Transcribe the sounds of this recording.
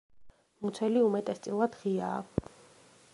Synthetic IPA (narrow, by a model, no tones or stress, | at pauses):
mut̪sʰɛliumɛt̪ʼɛst̪sʼilˠad̪̥ʁiaː